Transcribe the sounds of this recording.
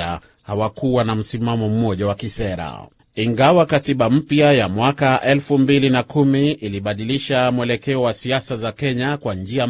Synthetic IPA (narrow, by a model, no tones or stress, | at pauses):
a̰ | hawakuwanam̩simamɔm̩mɔʄawakisɛɾa̰ | iŋɡawakatiɓam̩pjajamwakaʔɛlfumbilinakumiiliɓaɗiliʃamuwɛlɛkɛɔwasiasazakɛɲakwand͡ʒia